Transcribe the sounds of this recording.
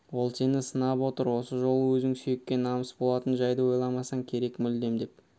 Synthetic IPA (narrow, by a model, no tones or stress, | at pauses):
wo̞lˠse̞nɪsənɑpwo̞t̪əɾwo̞səʒo̞lˠəwɵzɪŋsyjekʲːe̞nɑməsbolˠɑt̪ənʒɑjd̪əwo̞jlˠɑmɑsɑŋkʲʰe̞ɾe̞kmʏld̪e̞md̪e̞p